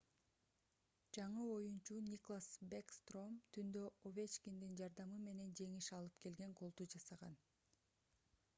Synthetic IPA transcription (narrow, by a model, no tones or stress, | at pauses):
d͡ʒɑɴɯo̞junt͡ʃunʲiklˠasbekst̪ro̞mt̪ʰynd̪øovʲet͡ʃkʲind̪ind͡ʒɑɾd̪ɑmɯme̞ne̞nd͡ʒe̞ŋiʃɑlˠɯpke̞lɡe̞ŋkʰo̞lˠt̪ud͡ʒɑsɑʁɑn